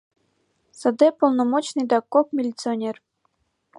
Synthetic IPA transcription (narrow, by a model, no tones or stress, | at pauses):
sɤ̆d̪epolˠnomot͡ɕnɨjd̪ɑkokmʲilʲit̪t͡sɨonʲer